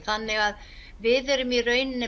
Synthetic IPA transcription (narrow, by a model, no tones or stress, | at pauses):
θanːɪɣað | vɪðɪɾʏmirœɥnɪnːɪ